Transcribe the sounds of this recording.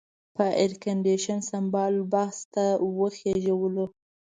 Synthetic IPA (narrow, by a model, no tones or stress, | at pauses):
pəʔɪɾkaɳɖeʃansambɑlbahst̪awəxeʒawəlo